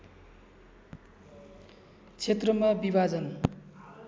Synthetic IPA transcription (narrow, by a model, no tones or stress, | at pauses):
t͡sʰet̪rʌmabibʱad͡zʌn